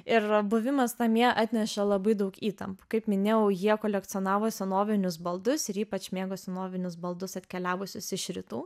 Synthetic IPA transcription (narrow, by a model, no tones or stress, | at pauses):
ɪrbʊʋʲɪmɐst̪ɑmʲiɛʔɑːt̪ʲnʲɛʃɛlˠɐbɐɪd̪ɐʊkiːt̪ɐmpu̥kɐɪpmʲɪnʲeːjɛʊjiɛkoːlʲɛkt̪sɨɔnɑːʋoːsʲɛnoːʋʲɪnʲʊsbɐlˠd̪ʊsɪɾiːpɐt͡ʃmʲeːɡoːsʲɛnoːʋʲɪnʲʊsbɐlˠd̪ʊsɐt̪ʲkʲɛlʲæːʋʊsʲʊsɪʃʲɾʲɪt̪uː